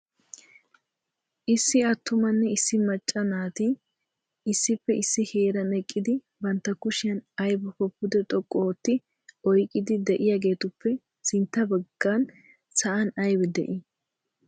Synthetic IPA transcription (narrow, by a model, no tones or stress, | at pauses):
ʔɪsːɪɐt̪ːʊmɐnːɛɪsːɪmɐt͡ʃʼːɐnaːt̪ɪ | ɪsːɪpːɛɪsːɪheːɾɐnɛkʼːɪd̪ɪ | bɐnt̪ːɐkʊʃɪjɐnɐjbɔkɔpːʊd̪ɛt̪ʼɔkʼːoɔt̪ːɪ | ɔjkʼːɪd̪ɪd̪ɛʔɪjaːɡe̞ːt̪ʊpːɛ | sɪnt̪ːɐbɐɡːan | sɐʔɐnɐjbɛd̪ɛ̰ʔɪ